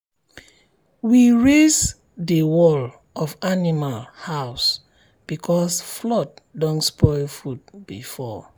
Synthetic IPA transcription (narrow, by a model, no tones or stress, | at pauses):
wiɹez | dəwɔl | ɔvanimalhaʊs | b̥ikʰɔsflɔt̚dɔ̃nspɔɪlfud̚b̥ḭfɔ